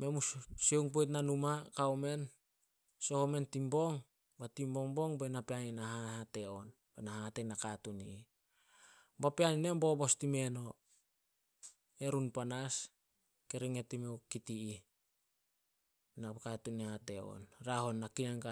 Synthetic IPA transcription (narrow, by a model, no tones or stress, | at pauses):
me̞mussewŋp̬ojt̬nanumakawme̞n | so̞home̞ntimbo̞ŋ | batimbo̞ŋbo̞ŋbe̞napeaninaɦahate̞on | benahatenakatuni | bapeaninembo̞bo̞stime̞no̞ | e̞ɾunpanas | ke̞ɾiŋetimewkitii | nakatunihateo̰nɾaɦo̞nːakinaŋka